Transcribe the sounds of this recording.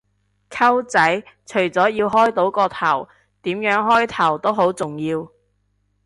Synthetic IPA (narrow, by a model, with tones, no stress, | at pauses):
kʰɐ˥wt͡sɐ˨˥jt͡ʃʰɵ˨˩jt͡sɔː˨˥jiː˧wɦɔː˥jt̪o˨˥wkɔː˧t̪ʰɐ˨˩w | t̪iː˨˥mjœː˨˥ŋɦɔː˥jt̪ʰɐ˨˩wt̪o˥wɦo˨˥wt͡sʊ˨˩ŋjiː˧w